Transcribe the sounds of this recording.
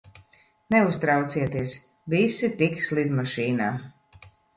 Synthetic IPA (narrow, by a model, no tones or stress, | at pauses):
nɛust̪ɾawt̪siɛt̪iɛs | visit̪ikslˠid̪maʃiːnaː